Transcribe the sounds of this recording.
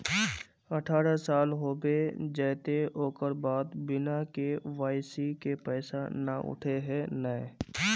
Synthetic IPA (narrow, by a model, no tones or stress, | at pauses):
əʈʰaːɾasaːlɦoːbed͡ʒɛːt̪eoːkəɾbaːd̪bɪnakeʋaːɪsikepɛːsana̰ʔʊ̰ʈʰeɦɛ̃nɛɛ̃